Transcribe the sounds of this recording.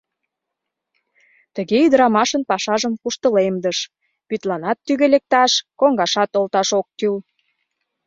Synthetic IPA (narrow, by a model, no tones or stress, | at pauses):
t̪ə̆ɣeyd̪əɾɑmɑʃənpɑʃɑʒəmkuʃt̪ə̆lemd̪əʃ | pyt̪lɑnɑt̪ːyɣelek̚t̪ɑʃkoŋɡɑʃɑt̪olt̪ɑʃok̚t̪yl